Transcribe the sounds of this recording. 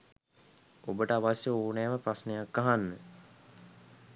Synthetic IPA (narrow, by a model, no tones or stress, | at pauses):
obəʈəaʋasjəoːnæːməprasnejakːaɦanːə